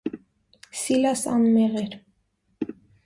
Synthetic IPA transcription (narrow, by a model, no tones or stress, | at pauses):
silɑsɑ̰nmɛʁɛɾ